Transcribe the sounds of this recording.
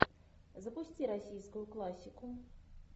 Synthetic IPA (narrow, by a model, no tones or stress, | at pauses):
zəpusʲt͡sʲiɾasʲijskʊjʊklˠasʲːiku